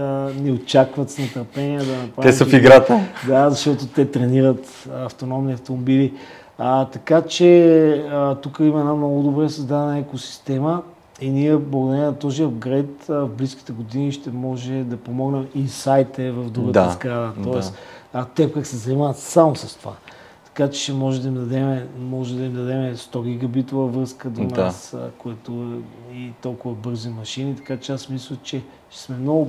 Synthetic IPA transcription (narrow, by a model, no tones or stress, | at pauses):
nɛot͡ʃakvɐt̪snɐt̪əɾpɛniəd̪ɐnɐpɾaɛisɐfiɡɾat̪əd̪azɐʃt̪ɔt̪ot̪ɛt̪ɾɛniɾət̪ | ɐft̪onɔmniɐft̪omobili | t̪ɐkat͡ʃɛ | t̪ukəimɐɛnamnɔɡʊd̪obɾɛsɐzd̪ad̪ɛnəɛkosi̥st̪ɛmə | iniɛblˠɐɡod̪ɐɾiɛɛnɐt̪ɔziəɡɾɛt̪vbliski̥t̪ɛɡod̪iniʃt̪ɛmɔʒɛd̪ɐpomɔɡnɛminsajt̪ɛvɐvd̪ɾuɡəd̪əzɡɾad̪ət̪ɔɛsɐt̪ɛpkəxsɛzɐnimavət̪samosɐst̪ova̰ | t̪ɐ̥kat͡ʃɛ̥ʃɛmɔʒɛd̪ɐimd̪ɐd̪ɛmɛmɔʒɛd̪ɐimd̪ɐd̪ɛmɛst̪ɔɡ̟ʲiɡɐbit̪ovəvɾɤskəd̪onaskoɛt̪oɛit̪ɔlˠkʊvɐbɤɾzimɐʃinit̪ɐ̥kat͡ʃɛasmislʲət͡ʃɛ | ʃsmɛmnɔɡʊ